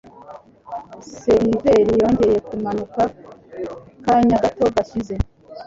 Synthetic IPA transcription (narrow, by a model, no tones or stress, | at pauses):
se̞ɾive̞ɾijo̞ːɲɟe̞je̞kumanuka | kaɲaɡato̞ɡaʃize̞